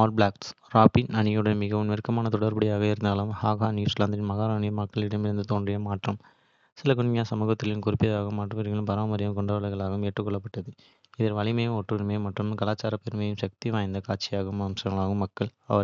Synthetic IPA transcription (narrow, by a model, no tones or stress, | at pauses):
aːlbɭaːksɾaːpinɐnɳɪjɯɽɐmɪɣɐʋɯmʋɪɾɯkːɐmaːnɐt̪ɔɽɐɾbɐɽɪjaːɣɐɪɾɯnd̪aːlɯmhaːɣaːniːslaːnd̪ɐɾɪnmɐɣaːɾɐːɳɪjɯmːɐkːɐɭɪɽɐmɪɾɯnd̪ɯt̪oːɳɖrɪjɐmaːʈrɐm | sɪlɐkʊɳmɪjaːsɐmuːɣɐt̪ːɪlɪmkʊɾɪpːɪjɐðaːɣɯmːaːʈrɐʋɐɾɣɐlɯmpɐɾaːmɐɾɪjɐmkɔɳɖaːʋɐlɐɣɐɭaːɣɯmɛʈrɯkːɔɭːɐpːɐʈːɐðɯ | ɪðɐɾʋɐɭɪmɐjɯmɔʈrɯʋɐɾmeːmɐʈrɯmkɐlaːt͡ʃːaːɾɐpɛɾmɐjɯmʃɐk̚t̪iʋaːjnd̪ɐkaːʈt͡ʃːɪjaːɣɐmɐmsɐŋɡɐɭaːɣɯmːɐkːɐɭɐ̰ʋɐɾ